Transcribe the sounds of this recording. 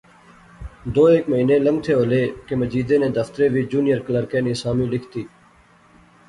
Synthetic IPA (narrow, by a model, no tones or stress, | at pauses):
d̪oːeːkməɦĩːnẽːləŋɡ̚t̪ʰeːɦoːleːkeməd͡ʒiːd̪ẽːnẽːd̪əft̪əɾeːʋiːd͡ʒuːnɪjəɾkələɾkẽːnĩːsaːmĩːlɪkʰt̪iː